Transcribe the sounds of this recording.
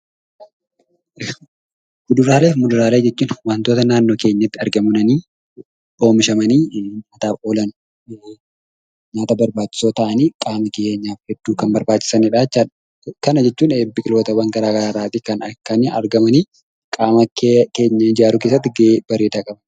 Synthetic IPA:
mʊd̪ʊɾaːleːfmʊd̪ʊɾaːleːd͡ʒɛt͡ʃːuːnwɐnt̪o̞ːt̪ɐnaːnːo̞ːke̞ːɲːɐt̪ːɪɐɾɡɐmʊnɐniː | bo̞ːmɪʃɐmɐniːaːt̪aːfo̞ːlɐnʊ | ɲaːt̪ɐbɐɾbaːt͡ʃːɪ̥soːt̪ɐʔɐniːkʼaːmɐkeːɲːaːfhɛd̪̥ːuːkɐnbɐɾbaːt͡ʃːɪ̥sɐnɪᶑaːt͡ʃːaᶑ | kɐnɐd͡ʒɛt͡ʃːuːneːbɪkʼɪlo̞ːt̪ɐwɐŋɡɐɾaːɡɐɾaːɾaːt̪ikɐnɐkːɐniɐ̰ɾɡɐmɐniː | kʼaːmɐkke̞ːɲːɐɪd͡ʒaːɾʊkes̬ːɐt̪ːɪɡeb̥ɐɾeːd̪ɐkʼɐbɐ

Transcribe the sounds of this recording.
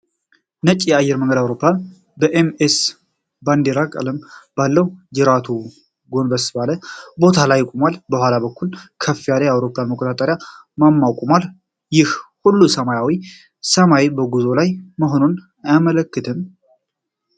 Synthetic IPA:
nət͡ʃʼjɛajːɛɾməŋɡəd̪awɾo̞pʰːlan | bəʔemes | band̪eɾakʼə̰ləmb̥alːəwd͡ʒɨɾat̪ʰu | ɡo̞nbəsɨβaləbo̞t̪ʰalajːɪkʼomalbəhʷwʷalabəkʰːulkʰəfːijalajawɾo̞pːlanməkʼot̪ʼat̪ʼəɾja | mamːawkʷʼomal | jɪhhulːusəmajawi | səmajebəɡuzo̞lajməɦo̞non | ajamələkːɨt̪ʰɨm

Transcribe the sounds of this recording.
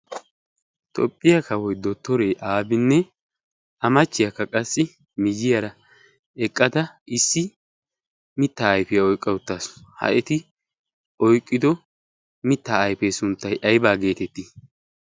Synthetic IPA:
t̪ʼɔ̰pʼːɪjɐkɐwɔjd̪ɔt̪ːɔɾejʔaːbɪnːɛ | ɐmɐt͡ʃːɪjɐkːɐkʼɐsːɪ | mɪd͡ʒɪjɐɾɐ | ɛkʼːɐd̪ɐɪsːɪ | mɪt̪ːaːjpɪjɐɔjkʼːɐʊt̪ːaːshɐ̰ʔɛt̪ɪ | ʔɔjkʼːɪd̪ɔ | mɪt̪ːaːjpesʊnt̪ːɐjʔɐjbaːɡe̞ːt̪ɛt̪ːiː

